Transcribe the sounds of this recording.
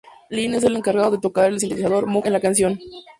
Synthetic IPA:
lines̬ele̞ŋkaɾɣaðoðet̪o̞kaɾelsint̪et̪isaðo̞ɾmuenlakansjo̞n

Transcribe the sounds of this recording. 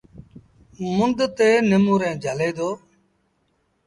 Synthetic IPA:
mʊnd̪t̪eːnəmũːɾẽːd͡ʒʱəleːd̪oː

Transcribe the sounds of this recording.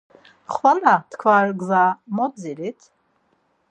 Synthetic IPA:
χwalat̪ʰkʰvarɡzamɔd͡ziɾit̪ʰ

